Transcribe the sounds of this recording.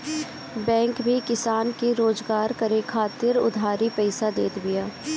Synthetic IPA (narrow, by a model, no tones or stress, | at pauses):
bɛ̃ːŋkbʱikɪsaːnkeɾoːzɡaːɾkɐɾekʰaːt̪ɪɾʊ̰d̪ʱaːɾipɛɪsad̪eːt̪bɪjaː